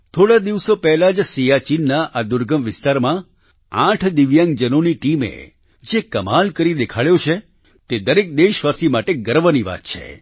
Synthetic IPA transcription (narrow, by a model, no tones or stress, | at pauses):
t̪ʰoɽad̪iʋsopɛɦlad͡ʒsijat͡ʃinːaʔad̪ʊɾɡəmʋɪst̪aɾmã | ãʈʰd̪ɪʋjãŋɡd͡ʒənoniʈimḛ | d͡ʒekəmalkəɾid̪ekʰaɭjot͡ʃʰe | t̪ed̪əɾek̚d̪eʃʋasimaʈeɡəɾʋəniʋa̰t̪̚t͡ʃʰḛ